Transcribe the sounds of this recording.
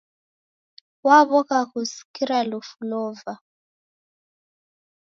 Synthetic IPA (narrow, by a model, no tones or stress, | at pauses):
waβɔɣaɣusi̥kiɾalufulɔva